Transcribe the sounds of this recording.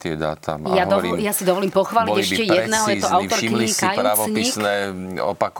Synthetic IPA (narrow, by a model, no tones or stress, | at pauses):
t̪ɪɛd̪a̰ːt̪ʰa̰mjjad̪ɔijasid̪ɔʋɔliːmpɔxʋaːliɟɛʃcɛjɛd̪nɛɦɔjɛɔʔawt̪ɔɾkiɲkajut͡sɲiisnɛɔ̰pak